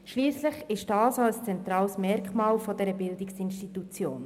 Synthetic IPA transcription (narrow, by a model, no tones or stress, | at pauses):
ʃliːsləχɪʃd̥ɑːsaəst͡sɛnt̪ɾɑːlsmɛɾkmɑːlfodɛɾəbɪldɪksɪnʃtitut͡sjoːn